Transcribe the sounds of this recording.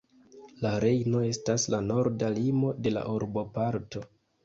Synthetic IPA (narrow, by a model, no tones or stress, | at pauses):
laɾe̞jno̞e̞staslano̞ɾdalimo̞de̞la̰ʔuɾbo̞paɾto̞